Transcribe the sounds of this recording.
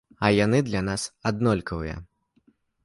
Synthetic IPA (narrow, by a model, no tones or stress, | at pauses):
ɐjanɨd̪lʲanasad̪nɔlʲkɐvɨ̰jɐ̰